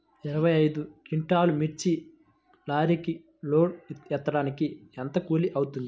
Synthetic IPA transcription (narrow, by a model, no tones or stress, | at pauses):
iɾɐʋɐjɐjd̪ukiɳʈaːlumiɾt͡ʃi | laːɾiki | loːɽɛt̪ːɐɽaːnikiɛnt̪ɐkuːliʔɐwut̪und̪i